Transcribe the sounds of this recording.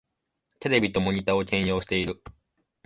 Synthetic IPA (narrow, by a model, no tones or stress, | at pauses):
t̪e̞ɾe̞bʲit̪o̞mo̞ɲ̟it̪aːo̞kʲẽ̞ɰ̃jo̞ːɕi̥t̪e̞iɾɯ̟